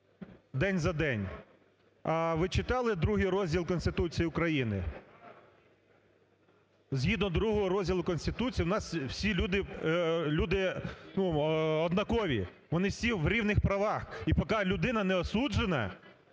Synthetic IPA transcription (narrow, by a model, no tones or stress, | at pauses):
d̪ɛnʲzɐd̪ɛnʲ | ɐʋɪt͡ʃɪt̪ɑlˠɪd̪ɾuɦɪjɾɔzʲdʲilˠkɔnst̪ɪt̪ut͡sʲijiʊkɾɐjinɪ̰ | zʲɦʲid̪nɔd̪ɾuɦɔɦɔɾɔzʲdʲilˠʊkɔnsʲt̪ɪt̪ut͡sʲijwnɑswsʲilʲud̪ɪlʲud̪ɪnuɔd̪nɐkɔʋʲḭ | ʋɔnɪsʲiʋɾʲiwnɪxpɾɐʋɑxipɔkɑlʲʊd̪ɪnɐnɛɔsud͡ʒenɐ̰